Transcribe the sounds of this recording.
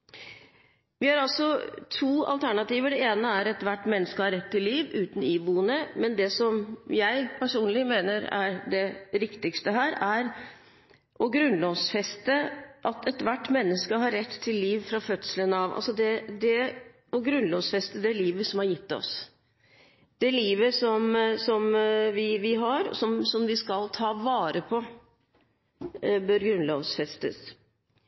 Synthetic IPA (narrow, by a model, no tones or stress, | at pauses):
ʋɪhɑɾɑlsɔt̪ʰuːɑ̰lt̪ʰæɳɑt̪iːʋəɖɛeːnəæɾɛt̪ʋæʈːmɛnːəskəhɑɾːɛt̪ʰːɪlːiːʋʉːt̪n̩iːbuːənəmɛnd̪ɛsɔmjæɪpʰæʂuːnlɪmeːnəɾæ̰ɾɖɛɾɪkt̪ɪkst̪əɦæːɾæɾ | ʔɔɡɾʉnlɔʋsfɛst̪əʔɑt̪ʰɛt̪ʋæʈːmɛnːəskəɦɑɾːɛt̪ʰːɪlːiːʋfɾɑfœt̪sələnɑʋɑ̰lsɔd̪ɛd̪ɛ | ɔɡɾʉnlɔʋsfɛst̪əd̪ɛæɭiːʋəsɔmhɑɾjɪt̪ːɔ̰s | d̪̥ɛæliːʋəsɔmsɔmʋɪʋɪɦɑɾɔ̰sɔmsɔmʋɪskɑlt̪ʰɑːʋɑːɾəpʰɔ | bœɾɡɾʉnlɔʋsfɛst̪ə̰s